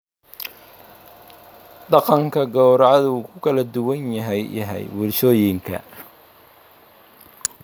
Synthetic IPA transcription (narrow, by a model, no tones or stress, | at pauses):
d̪ɑqɑŋkʰɐɡɔwɾɑʕɑðuːkʰʊkʰɐlɐd̪ʊwɐnjɐɦɛjɐ̰ɦɛ̰jwʊrʃɔːjɪŋkʰɐ̰